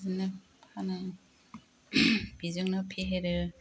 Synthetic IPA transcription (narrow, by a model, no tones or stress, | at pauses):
zɯnɯ | pʰana | b̥izɯŋnɔpʰeɦeɾɯ